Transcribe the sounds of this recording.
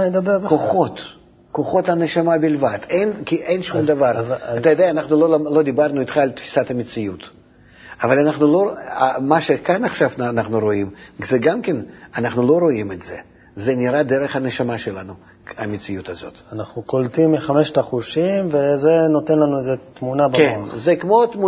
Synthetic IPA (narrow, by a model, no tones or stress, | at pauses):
ned̪abeʁbkoχo̞t̪ | koχo̞t̪ɐneʃamabʲɪlvad̪̥ejnkʲiʔejnʃumd̪avaraajod̪ejanaχnulolalo̞d̪ibarnuit̪χaːlʲt̪fʲi̥sat̪ɐmʲɪtt͡ssɪjut̪ | avalʲanaχnuloamaʃekanaχʃavnaχnuɾoimz̥ɛɡamkʲenanaχnulˠo̞ɾo̞imɛd̪zɛ | zɛnʲɪɾad̪eɾəχɐneʃamaʃelanu | ɐmʲɪsɨjut̪azo̞̰t̪anaχnukolt̪imːiχamɛʃt̪aχuʃimvezenot̪enlanuezet̪munabakenzɛkmo̞t̪mu